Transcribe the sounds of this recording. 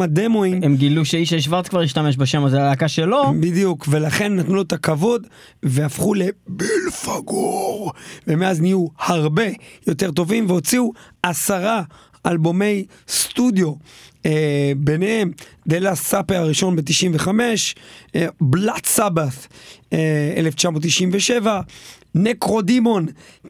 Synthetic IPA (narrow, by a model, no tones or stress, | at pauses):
ademoimemɡiluʃeiʃaiʃvaʁtkvaʁiʃt̪ame̞ʃ̬baʃemazeadakaʃelo̞bid̪ijukve̞laχe̞nːat̪nuet̪akavo̞d | veafχule̞bilfaɡoʁvemeaznijuhaʁbe̞jo̞t̪e̞ʁt̪o̞vimveo̞t͡siuasaʁa | albo̞me̞j | st̪ud̪jo̞ | benemd̪elassapeaʁiʃo̞nbet̪iʃimveχame̞ʃ | blat̪sabaθ | ḛleft͡ʃamo̞t̪ːiʃimveʃe̞vanekʁo̞d̪imo̞n